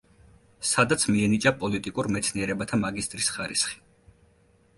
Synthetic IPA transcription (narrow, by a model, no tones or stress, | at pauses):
sad̪at̪sʰmiɛnit͡ʃʼapʼɔlit̪ʼikʼuɾmɛt̪sʰniɛɾɛbat̪ʰamaɡist̪ʼɾisχaɾisχi̥